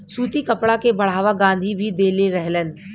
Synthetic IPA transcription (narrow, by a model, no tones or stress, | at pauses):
suːt̪ikɐpɽakʰeːbʱɐɽ̤aːʋaɡãːnd̪ʱibʱid̪eːleɾɐɦɪlənɪ̆